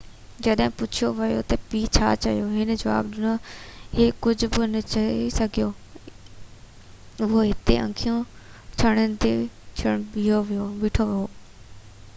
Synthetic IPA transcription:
d͡ʑɐɗɦɪ̃pʊt͡ʃʰijoʋɐjo̰t̪ɐpiːt͡ɕʰa̰t͡ɕɐijoɦɪnə̆d͡ʑɐʋa̰ːbɗɪnoɦeːkʊd͡ʑʱʊ̆bɪnət͡ɕɐisɐɡʱijoː | ʊɦoɦɪt̪ḛʔɐ̰̃ŋkʰijõt͡ʃʰɐɽ̃ənɪ̆t̪et͡ʃʰəɽɓiːoʋijoʋɪʈʰoʋiɦoː

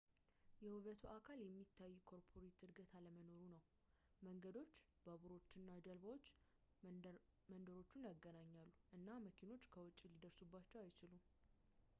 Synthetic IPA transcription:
jɛhɨβət̪ʰuʔakʰaljɛmːit̪ʰːajːukʰo̞ɾpʰo̞ɾet̪ɨɾɡət̪ʰaləməno̞ɾunəw | məŋɡəd̪o̞t͡ʃː | b̥əβuɾo̞t͡ʃːɪnːad͡ʒəlβawot͡ʃː | mənd̪əɾo̞t͡ʃːunjaɡːənaɲːalːuʔɨnːaməkʰino̞t͡ʃːkʰəwɔt͡ʃʼːilid̪əɾsubːat͡ʃːɛwajt͡ʃɪlu

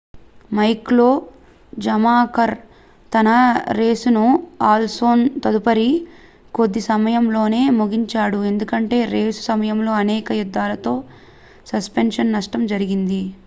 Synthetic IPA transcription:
mɐjklo̞ː | d͡ʒɐmaːkɐɾ | t̪ɐnɐɾe̞ːsunuaːlso̞ːnt̪ɐd̪upɐɾi | ko̞d̪ːisɐmɐjɐmlo̞ːne̞ːmuɡiɲt͡ʃaːɽue̞nd̪ukɐɳʈe̞ːɾe̞ːsu̥sɐmɐjɐmlo̞ːɐnɛːkɐjud̪ːaːlɐt̪o̞ː | sɐspenʂɐnːɐʂʈɐmd͡ʒɐɾiɡind̪i

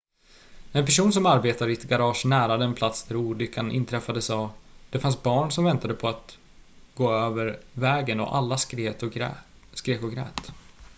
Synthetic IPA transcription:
ɛnpæʂuːns̬ɔmaɾbeːt̪aɾɪɛt̪ɡaɾɑːʂnæːɾad̪əɛnpʰlat̪sd̪ʰæɾuːɖ̪lʏkʰːanʔɪ̰nt̪ʰɾɛfːad̪əsɑːd̪̥ɛfansbɑːɳsɔmvɛnt̪ad̪əpʰɔat̪ | ɡoːøːvəɾvɛːɡənɔ̰ʔa̰lːaɾeːt̪ɔ | skɾeːkɔɡɾɛ̰ːt̪

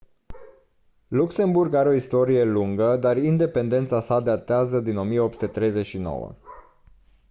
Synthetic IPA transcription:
lukse̞mburɡaɾeo̞ist̪o̞ɾije̞luŋɡəd̪arind̪e̞pe̞nd̪e̞nt̪sasad̪at̪eazəd̪ino̞mijeo̞p̚su̥t̪et̪ɾe̞jze̞t͡ʃʲʃino̞̰wə̰

